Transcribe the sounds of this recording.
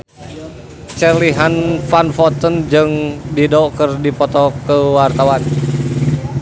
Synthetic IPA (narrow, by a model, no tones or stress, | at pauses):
t͡ʃərliɦanfanfɔt̪ənd͡ʒɨŋdidɔkɨrdipɔt̪ɔkəwart̪awan